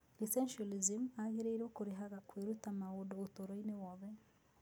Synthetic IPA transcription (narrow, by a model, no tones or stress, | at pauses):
lisɛnʃalizimaɣiɾeiɾoːkuɾiɦaɣakweɾutamaudoutoɾoinewɔβe